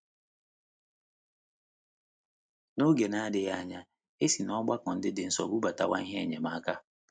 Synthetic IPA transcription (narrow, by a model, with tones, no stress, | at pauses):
no˦ɡe˨na˦dɪ˨ja˦a˨ɲa˦ | e˦si˨nɔ˦ɡ͡ba˦kɔ˨n̩˦dɪ˦dɪ˨n̩˦sɔ̰˨bu˦ba˨ta̰˨wa˦i˦ɦe˦e˨ɲe˨ma˨˦ka˦